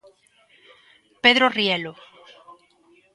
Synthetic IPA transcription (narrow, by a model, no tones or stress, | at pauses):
peðɾoriɛlo